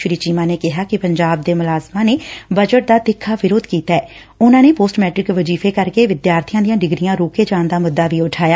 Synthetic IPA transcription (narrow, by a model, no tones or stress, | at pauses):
ʃɾiːt͡ʃiːmãːneːkɪɦaːkɪpəɲd͡ʒaːb̚d̪eːmʊlaːzmaːneːbəd͡ʒəʈ̚d̪aːd̪ɪkʰːaːʋɪɾoːd̪kiːt̪aɛː | ʊnãːneːpoːsʈmɛːʈɾɪkʋəd͡ʒiːfeːkəɾkeːʋɪd̪jaːɾt̪ʰijãːd̪ijãːɖɪɡɾɪjãːɾoːkeːd͡ʒãːnd̪aːmʊd̪ːaːʋiːʊʈʰaːjaː